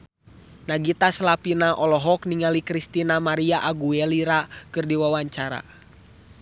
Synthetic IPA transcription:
naɡit̪aslapinaʔɔlɔɦɔkniŋalikɾist̪inamaɾiaʔaɡuɛliɾakɨrdiwawaɲt͡ʃaɾa̰

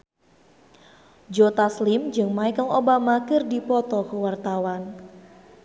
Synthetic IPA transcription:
d͡ʒot̪aslimd͡ʒɨŋmaikɔŋobamakɨrdipɔt̪ɔkəwart̪awan

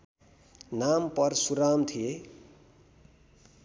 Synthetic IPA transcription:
nampʌrsuɾamt̪ʰije

